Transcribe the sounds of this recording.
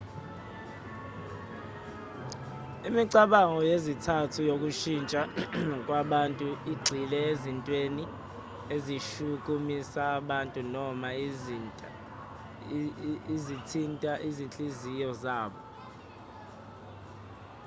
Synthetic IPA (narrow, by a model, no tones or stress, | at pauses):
imiǀaɓaŋɔjezitʰatʰujok̬ʼuʃint͡ʃʼakʼwaɓantʼuiɡ͡ǀʱilɛezintʼweni | eziʃuk̬ʼumisaːɓantʼunɔma | zitʰintʼaʔizint͡ɬʼizijɔzaːɓɔ